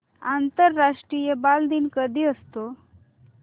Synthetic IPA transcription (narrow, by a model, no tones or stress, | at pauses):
ant̪əɾːaʂʈɾijebald̪iːnkəd̪ʱiːəst̪o